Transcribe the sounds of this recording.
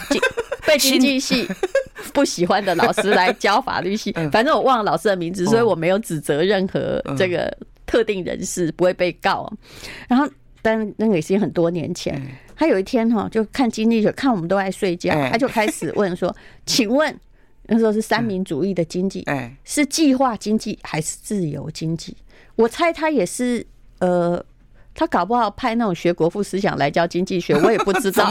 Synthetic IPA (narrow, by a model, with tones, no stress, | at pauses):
t͡ɕi˥pe˥˩ɪt͡ɕi˥ŋt͡ɕi˥˧ɕi˥˧pu˥˩ɕi˨˩xwa˦nd̪ə˨lɑ˨˩ʊʂɹ̩˥la˧˦ɪt͡ɕjɑ˥ʊfa̰˨˩ly˥˧ɕi˥˩fa˨˩nʈ͡ʂɤ˥ŋwɔ˨˩wɑ˥˩ŋlɑ˨˩ʊʂɹ̩˥d̪ə˨mi˧˥nd͡zɹ̩˨˩swɔ˧˥i˧˥wɔ˨˩me˧˥ɪjʊʈ͡ʂɻ̩˨˩t͡sɤ˧˦ɻə˥˩nxɤ̰˧˥ʈ͡ʂɤ˥˩ɡə̰˩ | t̪ʰɤ˥˧t̪i˥˩ŋɻə̰˧˦nʂɻ̩˥˩pu˧˥we˥˧ɪpe˥˧ɪkɑ˥˨˩ʊɐ̰˨˩ɻa˧˥nxo˥˩ | t̪a˥kə˥ŋke˨˩ɪʂ̩˥˩t͡ɕi˥xə˨˩nt̪wɔ˥njɛ̰˧˦nt͡ɕʰjɛ̰˧˥˦nt̪ʰa˥jo˨˩ʊi˥˩t̪ʰjɛ˥nxɔ˥˧t͡ɕjo˥˧ʊkʰa˥˩nt͡ɕi˥ŋt͡ɕi˥˩ɕɥɛ˧˥kʰa˥˩nwɔ˨˩mə˦nt̪o˥ʊt͡sa˥˧ɪswe˥˧ɪt͡ɕjɑ˥˧ʊa˥t͡ɕjo˥˧ʊkʰa˥ɪʂɻ̩˨˩wʔə˥˨nswɔ˥ | t͡ɕʰi˨˩ŋwə˥˨n | na˥˩ʂ̩˧˥xo˥˧ʂɻ̩˥˩sa˥nmi˧˥ŋt͡su˧˦i˥˩d̪ə˩t͡ɕi˥ŋt͡ɕḭ˥˩ʂɻ̩˥˧t͡ɕi˥˧xwa˥˧t͡ɕi˥ŋt͡ɕi˥˩xa˧˥ɪʂɻ̩˥˧t͡sɹ̩˥˩jo̰˧˥ʊt͡ɕi˥ŋt͡ɕi˥˩ | wɔ˨˩t͡sʰa˥ɪt̪ʰa˥jɛ˨˩ʂɻ̩˥˩ | ə˨ | t̪ʰa˥kɑ˨˩ʊp̬u˧˥xɑ˥˩ʊpʰa˥˧ɪna˥˩ʈ͡ʂʊ˨˩ŋɕɥɛ˧˥kwɔ˧˥fu˥˩sɹ̩˥ɕ̬jɑ̰˨˩ŋla˧˥ɪt͡ɕjɑ˥ʊt͡ɕi˥ŋt͡ɕi˥˩ɕɥɛ˧˥wɔ˧˦jɛ˨˩pu˥˩ʈ͡ʂɻ̩˥t̪ɑ˥˩ʊ